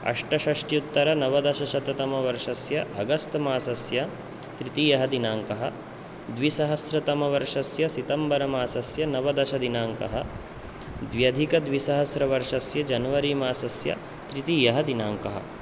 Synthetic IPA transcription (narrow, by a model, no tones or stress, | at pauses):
ɐ̰ʂʈɐʃɐʂʈjut̪ːɐɾɐnɐʋɐd̪ɐʃɐʃɐt̪ɐt̪ɐmɐʋɐɾʂɐsjɐʔɐɡɐst̪ɐmaːsɐsjɐ | t̪ɾit̪iːjɐɦɐd̪inaːŋkɐɦɐ̆ | d̪ʋisɐɦɐsɾɐt̪ɐmɐʋɐɾʂɐsjɐsit̪ɐmbɐɾɐmaːsɐsjɐnɐʋɐd̪ɐʃɐd̪inaːŋkɐ̰ɦɐ | d̪ʋjɐd̪ʱikɐd̪ʋisɐɦɐsɾɐʋɐɾʂɐsjɐd͡ʒɐnɐʋɐɾiːmaːsɐsjɐ̰ | t̪ɾit̪iːjɐɦɐd̪inaːŋkɐɦɐ̰